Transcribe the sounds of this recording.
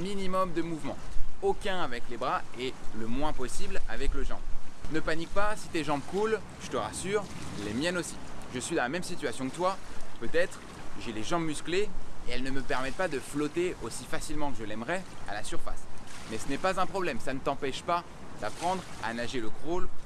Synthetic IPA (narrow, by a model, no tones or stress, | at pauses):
minimɔmd̪əmuvmɑ̃okʲɛ̃avɛklebʁaɛləmwɛ̃pɔsibla̰vɛkləʒɑ̰̃bnəpanik̚pasi̥t̪eʒɑ̃bkul | ʒ̥ət̪əʁasyːʁlemjɛnosi̥ʒəsɥid̪ɑ̃lamɛmsit̪ɥasjɔ̃kt̪wapøt̪ɛt̪χ | ʒeleʒɑ̃bmyskleːɛlnəməpɛʁmɛt̪̚pad̪əflɔt̪eosifasilmɑ̃kəʒəlɛmʁɛa̰lasyʁfa̰smɛsənɛpazɛ̃pχɔblɛmsanət̪ɑ̃pɛʃpa | d̪̥apχɑ̃d̪ʁa̰naʒeləkχol